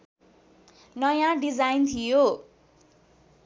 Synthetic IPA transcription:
nʌjãɖid͡zajnt̪ʰijo

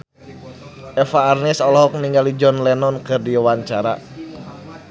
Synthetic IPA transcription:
ʔɛfaːrnɛsɔlɔɦɔk̚niŋɡalid͡ʒɔnlɛnɔnkɨrdiwaɲt͡ʃaɾa̰

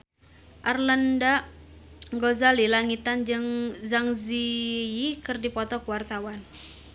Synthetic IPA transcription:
ʔarlanda | ŋɡozalilaŋit̪and͡ʒɨŋzaŋziikɨrdipɔt̪ɔkuwart̪awan

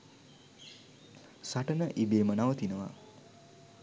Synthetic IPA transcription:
saʈənəʔibeːmənaʋət̪inəʋa̰

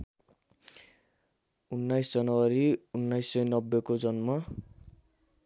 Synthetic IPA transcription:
unːajsd͡zʌnʌwʌɾiunːajsːʌjnʌbːekod͡zʌnmʌ

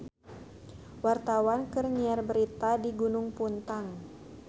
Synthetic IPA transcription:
wart̪awankərniarbəɾit̪adiɡunʊŋpunt̪aŋ

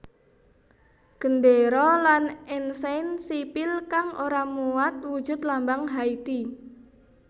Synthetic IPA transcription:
ɡ̥əndeɾɔlanɛnsansipɪlkaŋʔoɾamuwat̪̚wu̥ʒ̥ʊ̤t̪lambaŋɦait̪i

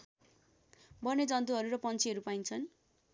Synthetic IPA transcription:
bʌned͡zʌnt̪uɦʌɾuɾʌpʌnt͡sʰiɦʌɾupaint͡sʰʌn

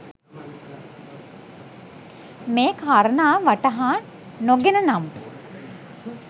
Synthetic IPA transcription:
meːkʰaːɾənaːʋaʈəɦaː | noɡenənam

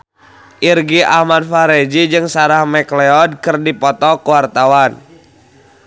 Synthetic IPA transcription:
ʔirɡiahmad̚faɾɛd͡ʒid͡ʒɨŋsaɾahmɛklɛɔd̚kɨrdipɔt̪ɔkuwart̪awan

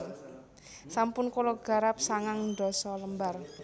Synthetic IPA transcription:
sampʊnkolɔɡ̥a̤ɾap̚saŋaŋɖɔ̤sɔləmbar

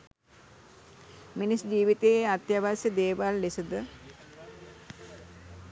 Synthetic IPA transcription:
minisd͡ʒiːʋit̪eat̪jaʋasjəd̪eːʋalːesəd̪ə

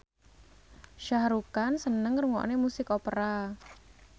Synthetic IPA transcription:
ʃaɦɾukansənəŋɾuŋɔ̰ʔnemusɪkopəɾa

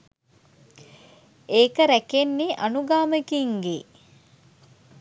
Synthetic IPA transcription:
eːkəɾækenːiʔanuɡaːməkiŋɡe

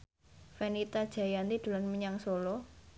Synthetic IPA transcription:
fɛnit̪ad̥ʒ̥a̤jant̪id̪̥ṳlanməɲaŋsolɔ

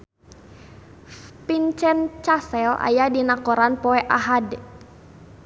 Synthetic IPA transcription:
pint͡ʃɛnt͡ʃasɛlʔa̰jadinakɔɾanpɔɛʔaɦad

